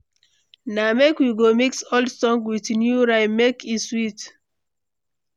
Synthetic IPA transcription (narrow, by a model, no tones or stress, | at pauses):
namekwiɡomiksoldsɔ̃ŋɡwitnjuɹaɪmekʰiswit